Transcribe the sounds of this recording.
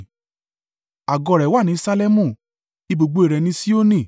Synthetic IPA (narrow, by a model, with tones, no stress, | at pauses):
a˨ɡɔ˧˨ɾɛ˨˦wa˦˨nĩ˨˦sa˧le˦mũ˦˨ | i˧bo˨ɡ͡bo˨i˨ɾɛ˨nĩ˧˦si˦o˦nĩ˦˨